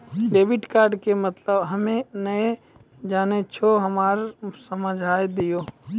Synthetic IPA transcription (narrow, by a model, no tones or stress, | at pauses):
ɖeːʋɪɖkaːɾɖkemət̪ləbɦɐmẽnəe | d͡ʒaːnet͡ʃʰoɦɐmaːɾsəməd͡ʒʱaːjd̪ijoː